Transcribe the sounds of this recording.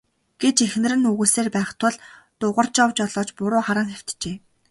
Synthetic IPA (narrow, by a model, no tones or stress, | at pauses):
ɡ̥et͡ɕexnɘ̆rɘ̆nɵɣuːseːrpæːχt̪ʰʊɮt̪ʊʁə̆r̥t͡ɕɔwt͡ɕɔɮɔːt͡ɕpʊɾʊːχaɾə̆ŋxew̥t̪t͡ɕeː